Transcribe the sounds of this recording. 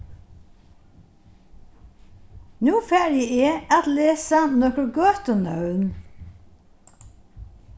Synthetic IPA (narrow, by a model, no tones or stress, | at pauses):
nuːfæːɾjieːɑt̪leːsɑnɔkəɡøt̪ɔnœʉn